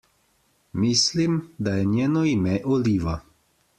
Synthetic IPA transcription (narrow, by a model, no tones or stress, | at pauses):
mislimd̪ajɛnjɛːnɔimɛʔɔliːʋa